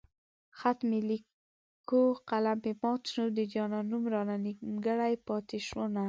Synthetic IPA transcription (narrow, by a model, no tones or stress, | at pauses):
xat̪meli | koqalampemɑt̪nud̪əd͡ʒɑnɑnumɾɑnanimɡəɽajpɑt̪eʃwona